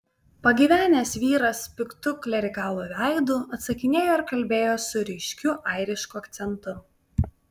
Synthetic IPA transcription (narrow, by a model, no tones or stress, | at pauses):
pɐɡʲiːʋʲæːnʲeːsʲʋʲiːɾɐspʲɪkt̪ʊklʲɛɾʲɪkɑːlˠuːʋʲæˑɪd̪ʊːˑɐt̪sɐkʲɪnʲeːjoːɪɾkɐlʲbʲeːjoːsʊɾʲɪʃʲkʲʊʔɐˑɪɾʲɪʃkuɐkt̪sʲɛnt̪ʊ